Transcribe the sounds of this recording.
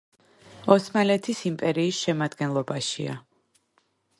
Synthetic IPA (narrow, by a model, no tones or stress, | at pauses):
ɔsmalɛt̪ʰisimpʼɛɾiːsʃɛmad̪ɡɛnlˠɔbaʃia̰